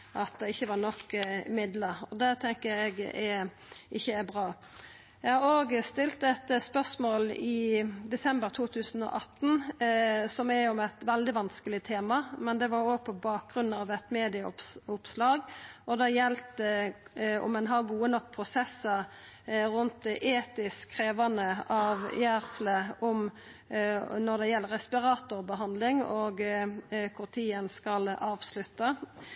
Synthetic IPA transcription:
ʔɑt̪̚d̪ɛɪçːəʋɑɾnɔkːɪmɪd̪ləɾɔd̪ɛt̪ʰɛŋkəɾɛɡɛ | ɪçːəæɾbʁɑː | jæɪhɑɾoːɡst̪ɪlt̪ɛt̪spœʁsmoːlɪd̪ɛsɛmbəɾt̪ʰuːt̪ʰʉːsən̩ɔ̰ʔɑt̪ːn̩ | sɔmɛɔmɛt̪ʋɛld̪ɪʋɑnskəlɪt̪ʰeːmɑmɛnd̪ɛʋɑɾoːɡ̚pʰɔbɑːk̚ɡɾʉnːɑːʋɛt̪meːd̪ɪɑʊpʊpslɑːɡʔɔd̪ɑːjɛlt̪ə | ɔ̰mːɛnɦɑʁɡuːənɔkːpʰɾʊsɛsːə | ɾʉnt̪̚d̪ʔeːt̪ɪskʰːɾeːʋɑnəʔɑʋjæːʁsləʔʊm | nɔʁd̪ɛjɛlːəɾɛspɪɾɑːt̪ʊɾbəɦɑnd̪lɪŋoːɡ | kʰʊʁt̪ʰiːənskɑlɑːʋslʉt̪ːɑ

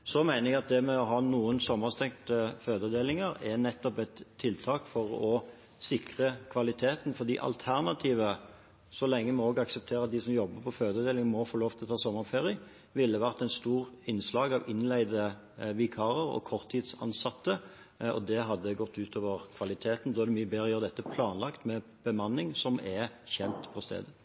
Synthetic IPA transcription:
sɔmæɪnəɛɡɑt̪̚d̪ɛmɛɔɦɑːnuːənsɔmːəʁst̪ɛŋt̪əføːd̪əd̪eːlɪŋəɾɛnɛt̪ːɔpɛt̪ʰːɪlt̪ʰɑːkfɔʁɔ | sɪkʁəkʰʋɑlɪt̪ʰeːt̪nfɔʁd̪ḭːʔɑ̰lt̪ʰæʁnɑt̪ʰiːʋə | sɔlɛŋːəmɛoːɡɑksəp̚t̪ʰeːɾəɑt̪̚d̪ɪsɔmjɔbːəpʰɔføːd̪əd̪eːlɪŋmɔfoːloːft̪ʰɪlɔt̪ʰɑːsɔmːəʁfeːʁɪə | ʋɪlːəʋæʁt̪æɪnst̪uːʁɪnslɑːɡɑʋɪnlæɪd̪ə | ʋɪkʰɑːʁəʁɔ̰kʰɔʁt̪ʰːiːd̪sɑ̰nsɑt̪ːə | ɔ̰d̪ɛɦɑd̪ːəɡɔt̪ʰːʉːt̪ʰoːʋəʁkʰʋɑlɪt̪ʰeːt̪n̩d̪ɔːæʁd̪ɛmyːəbeːʁəjøːʁəd̪ɛt̪ːəpʰlɑːnlɑkt̪mɛ | b̥əmɑnːɪŋsɔmɛçɛnt̪pʰɔst̪ḛːd̪ə

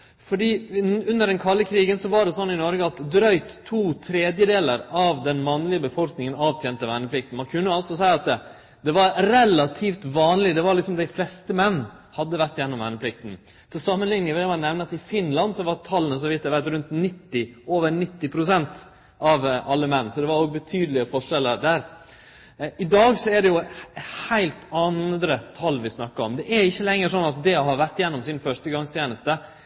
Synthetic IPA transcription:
fɔɖiːʉnːəɖɛnkʰɑlːəkʰɾiːɡənsɔʋɑɖɛsɔnːɪnɔɾɡəɑt̪d̪ɾœʏt̪ʰːuːt̪ʰɾeːd̪jəd̪eːləɾɑʋd̪ɛnmɑnːlɪəbəfɔlknɪŋənɑːʋt̪ʰjɛːnt̪əʋænəpʰlɪkt̪n̩mɑnkʰʉnːəɑlsɔsæɪɑt̪ | d̪ɛʋɑɾɾɛlɑt̪ʰiːft̪ʋɑːnlɪd̪ɛʋɑɾlɪksɔmd̪æɪflɛst̪əmɛnː | hɑd̪ːəʋæʈːjɛnːɔmʋænəpʰlɪk̚t̪n̩ | sɔsɑmːənlɪŋːəʋɛmɑnnːɛʋnəɑt̪ɪfɪnlɑnd̪sɔʋɑɾt̪ʰɑlːənəsɔʋɪt̪ːæɪʋæʈ̪ɾʉnt̪nɪt̪ːɪoːʋəɾɳɪt̪ːɪpʰɾʊsɛnt̪ | ɑʋʔɑlːəmɛnːsɔd̪ɛʋɑɾoːɡbɛt̪ʰyːd̪əlɪəfɔʂɛlːəɾd̪æːɾ | ɪd̪ɑːɡsɔæɖɛjʊhæɪlt̪ɑnd̪ɾət̪ʰɑlːʋɪsnɑkːɑɔmd̪ɛʔæɾɪçːəlɛŋːəʂɔnːɑt̪̚d̪ɛɦɑɾʋæɾʈ̪ːjɛnːɔmsɪnfœʂʈəɡɑŋst̪ʰjeːnəst̪ə

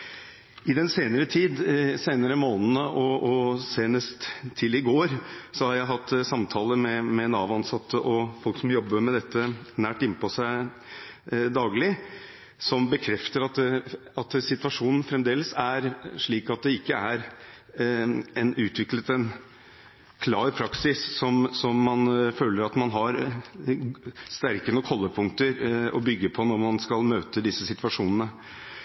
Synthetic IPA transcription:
ɪd̪ɛnseːnəɾət̪ʰiːd̪seːnəɾəmoːnənəʔɔɔseːnəst̪ʰːɪlɪɡoːɾsɔhɑɾjæɪɦɑt̪ːsɑmt̪ʰɑːləmɛmɛnɑːʋɑnsɑt̪ːəʔɔfɔlksɔmjɔbːəɾmɛd̪ɛt̪ʰːənæːʈɪnːpʰɔsæɪ | d̪ɑːɡlɪ | sɔmbəkʰɾɛft̪əɾɑt̪ | ɑt̪sɪt̪ʋɑʂuːnən̩fɾɛmd̪eːləsæɾʂɭiːkɑt̪̚d̪ɛɪkːəæɾ | ɛnʉːt̪ʋɪklət̪ɛn | kʰlɑːɾpʰɾɑksɪsːɔmsɔmːɑnføːləɾɑt̪mɑnɦɑɾ | st̪æɾkənəkʰɔlːəpʰʊŋkt̪əɾɔ̰bʏɡːəpʰɔnɔɾmɑnskɑlmøːt̪əd̪ɪsəsɪt̪ʋɑʂuːnənə

